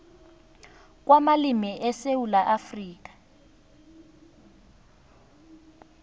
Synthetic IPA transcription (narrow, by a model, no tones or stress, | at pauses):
k̬ʼwamalimiʔɛsewulaʔafriːk̬ʼḁ